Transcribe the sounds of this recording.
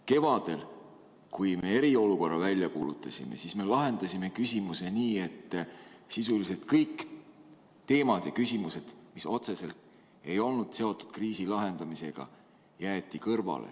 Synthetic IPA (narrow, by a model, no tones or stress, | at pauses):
ke̞vɑd̪̥e̞l | kujme̞e̞ɾio̞luko̞rːɑvælʲːjɑkuːlut̪ːˑɑsʲḭme̞̰sisme̞lɑɦe̞nd̪̥ɑsʲime̞kysʲimuse̞niːe̞t̪ːsisulise̞d̪̥kɤjk | t̪e̞ːmɑd̪̥jɑkysimuse̞d̪̥miso̞t̪se̞se̞lt̪ | e̞jo̞lnud̪̥se̞ot̪ːˑu̥d̪̥kriːsilɑɦe̞nd̪̥ɑmise̞ɡ̥ɑ̰ | jæːt̪ˑːikɤrvɑ̰lḛ